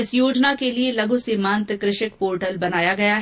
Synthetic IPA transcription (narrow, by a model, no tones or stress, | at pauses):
ɪsjoːd͡ʒnakelielɐɡusiːmãːnt̪kɾɪʃɪkpoːɾʈəlbɐnaːjaɡɐjaɦ